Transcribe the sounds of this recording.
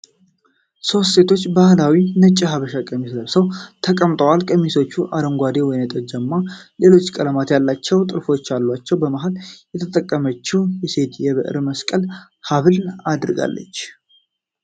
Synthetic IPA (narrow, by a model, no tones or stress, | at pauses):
so̞st̪se̞t̪ʰo̞t͡ʃːbahlawinət͡ʃʼːəɦaβəʃakʼəmisləβsəwt̪ʰəkʼəmt̪ʼəwalkʼəmiso̞t͡ʃːuʔa̰d̪əŋɡʷad̪ewɔjnət̪ʼəd͡ʒəmːale̞lo̞t͡ʃːkʼələmat̪jalːat͡ʃːɛwt̪ʼɨɾfo̞t͡ʃːalːwat͡ʃːɛwbəmaɦaljɛt̪ʰət̪ʼəkʼːəmət͡ʃːujɛse̞t̪jɛβɨʔɨ̰ɾməskʼəl | haβɨlad̪ɨɾɨɡa̰lːə̰t͡ʃː